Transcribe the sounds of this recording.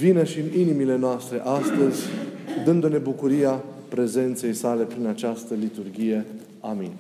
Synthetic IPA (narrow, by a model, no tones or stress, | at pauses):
vinəʃiɨninimile̞noast̪ɾe̞ʔast̪əzʲd̪ɨnd̪une̞bukuɾija | pɾe̞ze̞nt̪se̞jsale̞pɾinat͡ʃast̪əlit̪urɡʲije̞ | aminʲ